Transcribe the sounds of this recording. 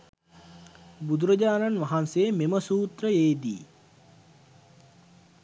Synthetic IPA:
bud̪uɾəd͡ʑaːnanʋaɦanseːmeməsuːt̪ɾəeːd̪ḭː

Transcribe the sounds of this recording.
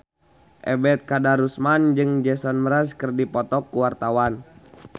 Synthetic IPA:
ʔɛ̰bɛt̪̚kadaɾusmand͡ʒɨŋd͡ʒɛsɔnməɾaskərdipɔt̪ɔkːuwart̪awan

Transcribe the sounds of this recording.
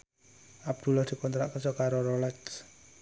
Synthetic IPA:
ab̚d̪̥ṳlahd̪̥i̤kɔnt̪ɾaʔkənsɔkaɾoɾolɛks

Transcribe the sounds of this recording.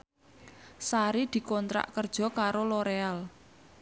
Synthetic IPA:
saɾid̪̥i̤kɔnt̪ɾa̰ʔkərd̥ʒ̥ɔ̤kaɾoloɾeal

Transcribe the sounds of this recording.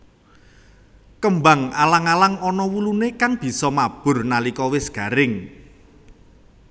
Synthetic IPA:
kəmbaŋalaŋalaŋɔnɔwulunekaŋb̥i̤sɔmab̥ʊ̤rnalikɔwɪsɡ̥a̤ɾɪŋ

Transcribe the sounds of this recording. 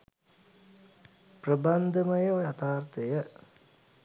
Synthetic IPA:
prəband̪ʱəmɐjɐjat̪aːrt̪ejə

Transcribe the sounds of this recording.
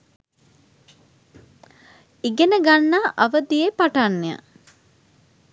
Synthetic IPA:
iɡenəɡanːaːʔaʋəd̪ijepaʈanːeja̰

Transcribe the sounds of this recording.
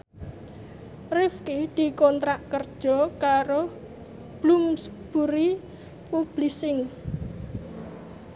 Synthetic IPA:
rɪfkid̪̥i̤kɔnt̪ɾaʔkərd̥ʒ̥ɔ̤kaɾo | b̥lumsb̥uɾi | pub̥lisɪŋ

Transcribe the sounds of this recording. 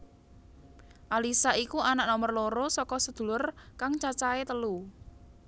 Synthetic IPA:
ʔalisaikuanaʔnɔmərloɾosɔkɔsəd̪̥ṳlʊrkaŋt͡ʃat͡ʃaet̪əlu

